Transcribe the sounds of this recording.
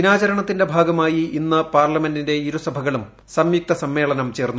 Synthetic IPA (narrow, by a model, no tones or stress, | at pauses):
inaːt͡ɕɐɾɐɳɐt̪ːinde̞bʱaːɡɐmaːjiinːɐpaːrlɐme̞ndinde̞iɾusɐbʱɐɣɐɭum | sɐmjuk̚t̪ɐsɐmːe̞ːɭɐnɐmt͡ɕe̞ːrnːu